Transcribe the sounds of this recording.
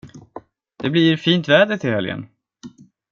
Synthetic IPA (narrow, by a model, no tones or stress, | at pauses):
d̪̥ɛbliɾfiːnt̪vɛːd̪ət̪ʰɪlhɛljə̰n